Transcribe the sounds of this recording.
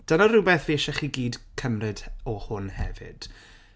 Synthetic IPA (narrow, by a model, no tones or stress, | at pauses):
d̥ənarɪbɛːθviəʃɛχiɡiːdkʰəmrɨdɔhʊnhɛ̰vɪ̰d̥